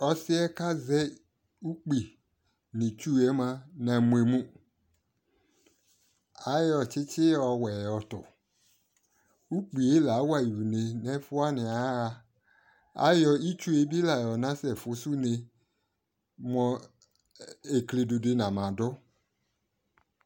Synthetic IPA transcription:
ɔ˨sɪ˦ɛ˦ka˦zɛ˦ | u˦k͡pi˨ | nĩ˨t͡ʃu˦ɛ˦mã˦nã˨mũ˨e˨mũ˦ | a˦jɔ˨t͡ʃɪ˦t͡ʃɪ˦ɔ˨wɛ˨ɔ˨t̪ɔ̰˨ | u˦k͡pi˨e˦la˨˦wa˦˨ju˨ne˨nɛ̃˦fʊ˦a˦nɪ̃˨a˨˦a˨ | a̰˦jɔ˦i˦t͡ʃu˦e˦bi˦la˨jɔ˨nã˦sɛ˨fʊ˨˦su˦ne˨ | mɔ̃˨ | e˨kle˨do˨de˨nã˨mã˨dɔ˦

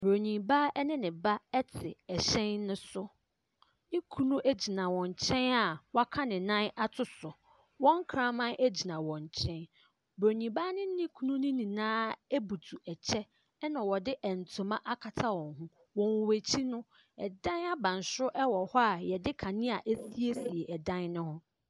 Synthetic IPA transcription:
bɾo˨ɲĩ˨ba˦ɛ˦nɪ̃˦nɪ̃˨ba˦ɛ˦tʰɪ˨ɛ˨ɕɛ̃˦nːʊ̃˦sʊ˦ | nɪ̃˦kʰu˦nũ˦ʔæ˦d͡ʑi˨nã˨wɔ̃˨ɲ˨t͡ɕʰɛ̃˦na˨wa˦kʰa˦nɪ̃˨nã˦na˦tʰʊ˦sʊ˨ | wɔ̃˦ŋ˦kʰɾã˦mã˦nʔe˦d͡ʑi˨nã˨wɔ̃˨ɲ˨t͡ɕʰɛ̃˦n | bɾo˨ɲĩ˨ba˦nɪ̃˦nɪ̃˦kʰu˦nũ˦nɪ̃˦nĩ˨nãː˦e˦bu˨tʰu˨ɛ˨t͡ɕʰɛ˦ | nã˨wɔ˨dɪ˦ʔɛ˨n̩˨tʰʊ̃˨mã˦ʔa˦kʰa˨tʰa˦wɔ̃˨ŋɦũ˦ | wɔ̃˨wwæ˨t͡ɕʰi˦nʊ̃˦ | ɛ˨dã˦na˦bã˨n˨sʊ˦ʔɛ˦wɔ˨hɔ˦a˨jɛ˨dɪ˦kʰã˨nɪ̃˦a˨ʔe˦si˦e˦si˨e˨ʔɛ˨dã˦nnʊ̃˦hʊ̃˦

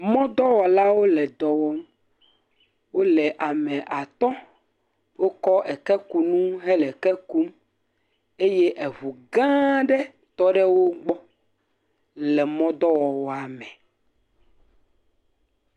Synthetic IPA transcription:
mɔ̃˦d̪ɔ˦wɔ˨la˦wo˦lɛ˨d̪ɔ˨wɔ˦m | wo˦lɛ˨ʔa˨mɛ̃˨ʔa˨t̪ɔ̃˦ | wo˦kɔ˦ʔɛ˨kɛ˦ku˨nũ˦ɦɛ˦lɛ˨kɛ˦ku˦m | e˦je˦ʔɛ˨βu˨ɡã˦ɖɛ˦ | t̪ɔ˦ɖɛ˦wo˦ɡ͡bɔ˦ | lɛ˨mɔ̃˦d̪ɔ˦wɔ˨wɔ˨a˨mɛ̃˨

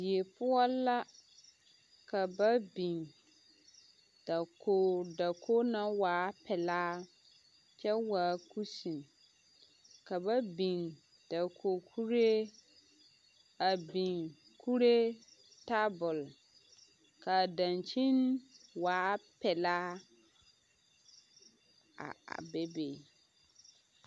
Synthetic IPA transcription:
dɪ˨e˨pʊ˦ɔ˦lːa˦ | ka˨ba˦bi˨ŋ | d̥a˨ko˦da˨kʰo˦na˦waː˨˦pɛ˨laː˦ | t͡ʃɛ˦waː˨˦ku˦si˨n˨ | ka˨ba˦bi˨ŋ | d̥a˨kʰo˨kʰu˦ɾe˦ | a˨bi˨ŋ | kʰu˦ɾe˦ | ta˦bʊ˨l | ka˨dã˨nt͡ʃi˦nwaː˨˦pɛ˨laː˦ | a̰˨be˦be˨

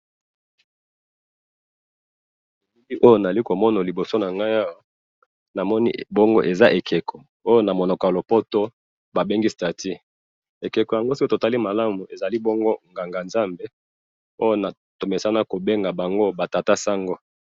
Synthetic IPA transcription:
e˨i˦li˦ʔo˦jo˦˨na˨a˨li˦ko˨mɔ˦na˨li˨bo˨so˦na˨ŋɡa˦ja˦wa˦ | na˨mɔ˦nḭ˦bo˦ŋɡo˦ʔe˨za˦ʔe˨kʰe˨kʰɔ˨ | o˦jo˦na˨mo˨no˨ka˨lo˨po˦to˦ | ba˨be˦ŋɡi˦sta˨tʰi˦ | e˨ke˨ko˨ja˨ŋɡo˦si˦ko˦to˨ta˦li˦ma˨la˦mu˨e˨za˨li˦bo˦ŋɡo˦ŋɡa˨ŋɡa˨nza˦mbe˦ | o˦jo˦na˨ | to˨me˨sa˦na˦ko˨be˦ŋɡa˨ba˨ŋɡo˦ba˨ta˨ta˦sa˦ŋɡo˦

